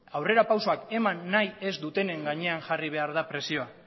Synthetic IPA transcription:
awre̞ɾapawso̞ake̞manːaje̞zd̪ut̪e̞ne̞ŋɡaɲe̞aŋʝariβ̞e̞aɾð̞apɾe̞sio̞a

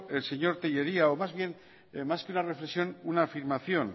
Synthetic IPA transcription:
elseɲo̞ɾt̪eʎe̞ɾiaomazβje̞n | maskeunare̞flesijo̞nunafiɾmaθjo̞n

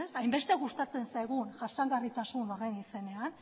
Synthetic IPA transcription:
sajmbe̞st̪eɣust̪at͡se̞nsajɣunʝasaŋɡarit̪asunorenise̞ne̞an

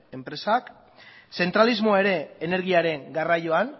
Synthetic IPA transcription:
e̞mpɾe̞sak | se̞nt̪ɾalizmo̞ae̞ɾe̞ːne̞ɾɣiaɾe̞ŋɡarajoan

